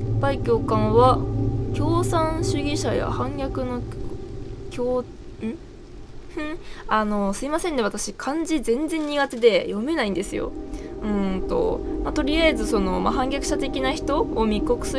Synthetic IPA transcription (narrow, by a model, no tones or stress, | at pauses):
baikʲo̞ːkãɰ̃βakʲo̞ːsãɰ̃ɕɨɡʲiɕaja̰hãŋɡʲakɯ̟no̞ | kʲoː | ɯ̃ | ɯ̃ano̞sɨimasẽ̞nːe̞βat̪aɕikʰãɲ̟d͡ʑizẽ̞nd͡zẽ̞ɲ̟ːiɡat̪e̞d̪e̞jo̞me̞naĩnd̪e̞sɨjo̞̰ɯ̟̃t̪o̞̰mat̪o̞ɾʲijaezɨso̞no̞ma̰ɦãŋɡʲakɯ̟̥ɕat̪e̞kʲinaçi̥t̪o̞omʲiko̞kɯ̟̥sɨ